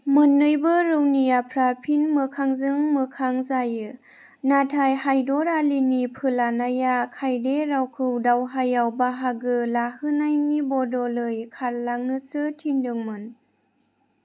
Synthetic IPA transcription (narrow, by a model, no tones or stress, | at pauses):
mɯnːɯjbɯɾɯwnijapʰɾapʰinmɯkʰaŋzɯŋmɯkʰaŋzajɯ | natʰajhajdɔɾalinipʰɯlanajakʰajdeɾawkʰɯwdawɦajawbaɦaɡɯlahɯnajnibɔdɔlɯjkʰallaŋnɯsɯtʰindɯŋmɯn